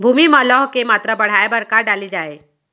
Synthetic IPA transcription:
bʱuːmimãlɔɦkemaːt̪ɾəbəɽ̤aːebəɽkaɖalid͡ʒaːe

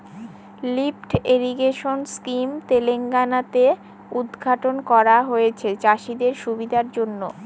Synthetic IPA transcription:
lipʈeɾiɡeʃonskimt̪eleŋɡanat̪e | ud̪ɡʱaʈonkɔɾaɦojet͡ɕʰet͡ɕaʃid̪eɾʃubid̪ʱaɾd͡ʑonːo

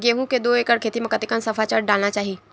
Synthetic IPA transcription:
ɡeːɦũked̪oːeːkəɽkʰeːt̪imẽkɐt̪ikənsɐfʰat͡ʃaɽɖaːlnat͡ʃaːɦie

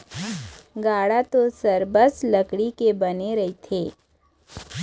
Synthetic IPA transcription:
ɡaːɽat̪osəɾbəslɐkɽikebɐneɾɐɦit̪ʰeː

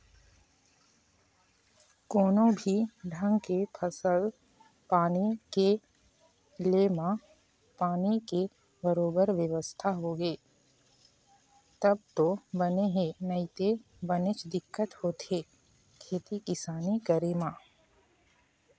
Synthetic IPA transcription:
koːnõbʱiɖʱə̃ŋɡkepʰəsəl | paːnike | leːmã | paːnike | bəɾoːbəɾʋjəʋəst̪ʰaɦoːɡeː | t̪ɐb̚t̪obəneɦenəɪt̪e | bənɪt͡ʃd̪ɪkːət̪hoːt̪ɦeː | kʰeːt̪ikɪsaːnikəɾemãː

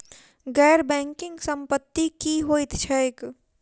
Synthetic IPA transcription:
ɡɛːɾbɛ̃ːŋkɪ̃ŋɡsə̃mpət̪ːikiɦoːit̪t͡ʃʰɛɪk

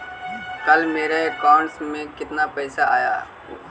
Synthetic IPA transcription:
kəlmeːɾeekaːɳʈsmẽkɪt̪napɛːsaa̰ːja̰ː

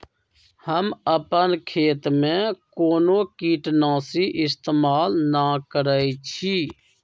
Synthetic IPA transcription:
həməpənkʰeːt̪mẽkoːnõkiːʈnãːsiʔɪst̪eːmaːlnakəɾaːit͡ʃʰi

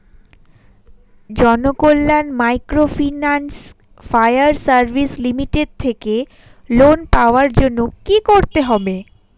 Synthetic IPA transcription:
d͡ʑɔnokolːanmajkɾofinans | fajaɾsaɾbʱislimiʈeɖ̚t̪ʰeke | lonpaoaɾd͡ʑonːokikoɾt̪eɦɔbe

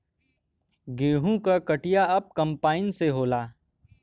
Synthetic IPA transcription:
ɡeːɦũkakəʈijaɐp̚kɐ̃mpaːɪnseɦoːlaː

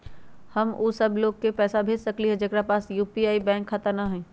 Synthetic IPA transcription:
hɐmuːsɐbʱloːɡ̚kepɛːsabʱeːd͡ʒsɐkliɦɛd͡ʒɐkɾapaːsjuːpiaːibɛ̃ːŋkʰːat̪əɾnaɦɛ̃ː

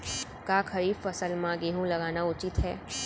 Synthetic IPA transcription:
kaːkʰɐɾiːffɐsəlmãɡeːɦũlɐɡaːnaʊt͡ʃɪt̪ɦɛː

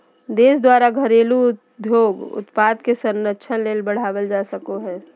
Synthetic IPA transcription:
d̪eːsd̪waːɾaɡʱəɾeːlu | d̪ʱjoːɡʊ̰t̪paːd̪kesəɾnətːʃʰənleːlbəɽ̤aːʋəld͡ʒaːsəkoɦɛː

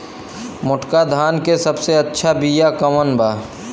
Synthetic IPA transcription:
mʊʈkad̪ʱaːnkesɐbseɐtːʃʰabijakɐmənbaː

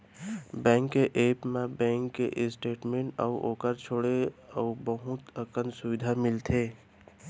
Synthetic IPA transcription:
bɛ̃ːŋkːeʔeːpmẽbɛ̃ːŋkːḛʔɪsʈeːʈmẽɳʈə̰uʔo̰ːkəɾt͡ʃʰoːɽeəbəɦʊt̪əkənsʊʋɪd̪ʱamɪlt̪ʰeː

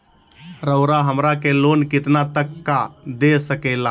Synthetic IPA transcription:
ɾəʊɾaɦəmɾakelonkɪt̪nat̪əkːad̪esəkɛla

